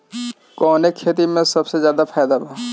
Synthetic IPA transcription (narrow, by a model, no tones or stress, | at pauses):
kɔːnekʰeːt̪̬imẽsɐbsezjaːd̪apʰaːd̪abʱaː